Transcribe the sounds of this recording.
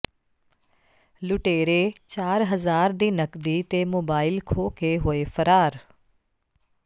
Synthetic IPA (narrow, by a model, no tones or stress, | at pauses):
lʊʈeːɾeːt͡ʃaːɾɦəzaːɾd̪iːnəkd̪iːt̪eːmoːbaːɪlkʰoːkeɦoːeːfʰəɾaːɾ